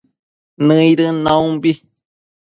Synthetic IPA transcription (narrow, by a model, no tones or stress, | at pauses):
nɨ̃iɾɨnãũmbi